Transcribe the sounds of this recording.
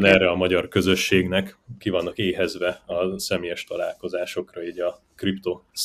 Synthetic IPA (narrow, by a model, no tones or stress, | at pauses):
nɛːrɛɒmɒɟɒrkø̞zø̞ʃːeːɡnɛkkivɒnːɒkeːɦɛzʋɛɒsɛmeːjɛʃt̪ɒlaːlko̞zaːʃo̞krɒiːɟɒ | kript̪oːs